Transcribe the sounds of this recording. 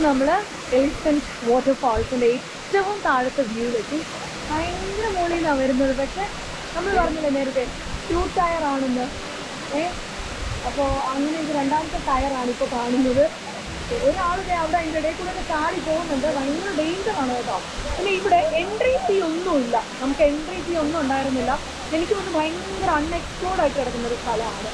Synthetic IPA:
nɐmːɐɭ | elisɐns | ʋo̞ːʈːɐrfaːlsindee | tːɐʋumt̪aːɻɐt̪ːeʋiːileʈːi | ɐjŋɡɾɐmoːɭijnːaːʋɐɾunːɐðɨpɐkʂe̞ | nɐmːɐɭpɐrɐɲːɐlːene̞ːɾɐt̪ːe | tuːʈʈɐjɐraːɳenːɨ | e | ɐpːoːɐŋːɐneindɨɾe̞ɳɖaːɾɐt̪ːɐʈɐjɐraːɳipːoːkaːɳunːɐðɨ | oɾuaːɭuɣeɐʋiɽeend̪ɐɽekːuːɽenet̪aːɽipo̞ːɣunːɐɳɖɨʋɐjŋɡɐɭɖejɲd͡ʑɐraːɳɐet̪ːa̰ː | pinːeiʋiɽeʔeɳɖrit̪io̞nːumilːɐnɐmukːɨe̞ɳɖrit̪io̞nːumuɳɖaːjiɾunːilːɐ | enikʲːɨʋɐnːɨbʱɐjŋ | ɡrɐɳːekskoːɽaːjiʈːɨkɐɽɐkːunːɐoɾust̪ʰɐlɐmaːɳɨ

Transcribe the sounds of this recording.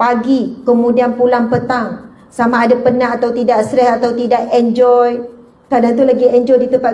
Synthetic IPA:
paɡikəmũdianpulaŋpət̪aŋ | samaːdapənaat̪awt̪idaksɾɛhat̪awt̪idakɛnd͡ʒɔj | kadant̪ulaɡiɛnd͡ʒɔjdit̪əmpat̪̚

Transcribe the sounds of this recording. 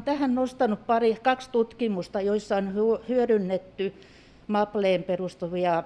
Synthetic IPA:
nt̪æhænnost̪ɑnuppɑrikɑkst̪ut̪kimust̪ɑjoisːɑonhuhyørynːet̪ːy | mɑpleːmperust̪uʋiɑ

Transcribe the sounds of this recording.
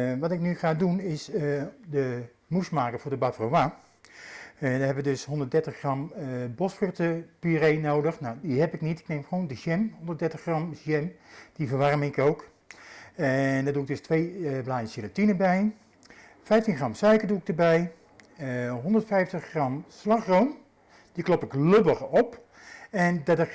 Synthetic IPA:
ʋɑtɪk̚nyχaːdunɪsdə | musmaːkəfʊːɹdəbatroʋa | daɦɛpəʋədøsɦɔndətdɛɹtəχχrɑmbɔsfrʏrtəpyrejnowdəχnawdiɦɛpɪknitɪ̥knejmχʋoːndəʃɛmɦondərtdɛɹtəχrɑmʒjɛmd̥ivərʋarmɪɪkowk | ɛndɔduɪɡ̚døstʋejblaːjənsɪlotinəbɛj | fɛjftinχrɑmsœɥkəduɪk̚dəbɛj | ɦɔndərtfɛjftəχrɑmslaχroːm | d̥iklɔpɪkløbəχɔp | ɛndadə

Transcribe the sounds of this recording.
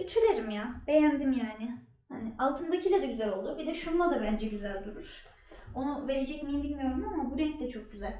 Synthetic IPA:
yt̪ʰylʲeɾimjab̥e̞jænd̪imjaːnɪ | hanɪʔalˠt̪ʰɯnd̪acʰilʲad̪aɟyzælʲo̞lˠd̪ubid̪ɛʃunlˠad̪abænd͡ʒɛɟyzælʲd̪uɾuɾ̥ | o̞nuve̞ɾed͡ʒɛcmejimbilʲmijo̞ɾumamabuɾɛclʲɛt͡ʃʰo̞k̚ɟyzælʲ

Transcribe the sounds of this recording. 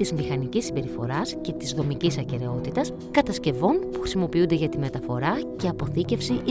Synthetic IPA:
izmixɐnicisːimbe̞ɾifo̞̰ɾɐsce̞t̪izðo̞micisɐce̞ɾe̞o̞t̪it̪ɐs | kɐt̪ɐsce̞vo̞npu̥xɾisimo̞piund̪eʝɐt̪ime̞t̪ɐfo̞ɾɐce̞ɐpo̞θice̞fsiʔ

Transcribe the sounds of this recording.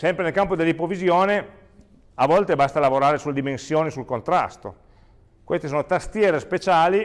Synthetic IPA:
sɛmpɾenelkampod̪elːipovizjoːne | avɔlt̪ebast̪alavoɾaːɾesulːed̪imensjoːnisulkont̪ɾa̰st̪o̰ | kwest̪e̥soːnot̪ast̪jɛːɾespet͡ʃaːli

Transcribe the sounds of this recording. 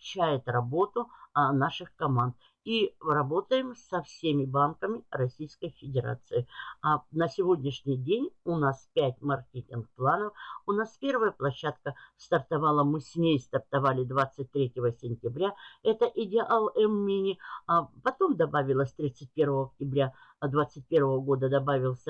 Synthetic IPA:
t͡ɕːæjɪt̪rɐbo̞t̪ʊnaʂɨxkɐmant̪ | irɐbo̞t̪əjɪmsɐfsʲemʲɪbankəmʲɪrɐsʲijskəjfʲɪdʲɪɾa̰t̪sɨɪanəsʲɪvo̞dʲnʲɪʂnʲɪjdʲenʲʊnaspʲætʲmɐrkʲetʲɪnɡ̚plˠanəfʊnaspʲe̞rvəjəplˠɐɕːat̪kəst̪ɐrt̪ɐvalˠəmɨsʲmʲejst̪ərt̪ɐvalʲɪd̪vat̪sɨt̚ʲt̪ɾʲetʲɪvəsʲɪnʲtʲɪbɾʲaɛt̪əʔɪdʲɪʔalˠɛmːʲinʲɪapɐt̪o̞md̪ɐbavʲɪlˠəsʲt̪ɾʲit̪sɨt̚ʲpʲe̞rvəvəɐk̚tʲɪbɾʲa | d̪vat̪sːɨt̚ʲpʲe̞rvəvəɡo̞d̪əd̪ɐbavʲɪlˠsʲə

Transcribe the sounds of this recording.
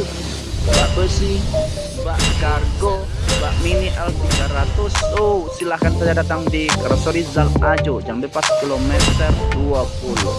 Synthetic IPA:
baʔbəsi | baʔkarɡobaʔminiʔalt̪iɡaɾat̪ʊsosilahkansad͡ʒadat̪aŋdikɾasɔɾizalʔad͡ʒod͡ʒaŋdəpaskilomɛt̪ərduapulu

